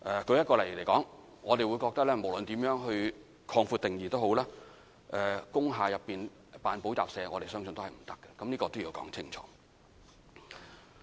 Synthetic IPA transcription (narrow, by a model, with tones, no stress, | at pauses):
ʔɛ˨˧kʰɵ˨˧ɥjɐ˥t̚kɔː˧lɐ˨˩jle˨˩jkɔː˨˥ŋ | ŋɔː˨˧t̪e˨jwu˨˧jkɔː˧k̚t̪ɐ˥klɛː˥mo˨˩wlɵ˨nt̪iː˨˥mjœː˨˥ŋɦɵ˧ɥ | kʰɔː˧ŋfu˧t̪ɪ˨ŋjiː˨t̪o˥who˨˥wlaː˥ | ʔɛː˨kʊ˥ŋɦaː˨˧jɐ˨pːiː˨n | paː˨npo˨˥wt͡sa̰ː˨p̚sɛː˨˧ŋɔː˨˧ɾe˨jsœː˥ŋsɵ˧nt̪o˥hɐ˨˩jm̩˨˩t̪ɐ̥˥kːɛ̥˨kɐ˨˦mniː˥kɔː˧t̪o˥wjiː˨˧wkɔ̰ː˨˥ŋt͡sʰɪ˥ŋt͡ʃʰɔ̰ː˨˦